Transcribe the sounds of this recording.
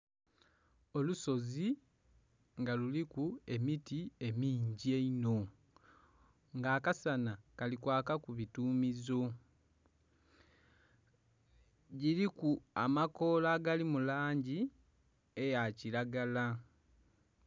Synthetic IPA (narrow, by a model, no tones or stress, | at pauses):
o̞luso̞zi | ŋɡalulikue̞mitie̞miːɲɟie̞ino̞ | ŋɡaːkasanakalikwaːkakuβituːmizo̞ | ɟiɾikuamako̞ːlaɡalimulaːɲɟi | e̞jaciɾaɡala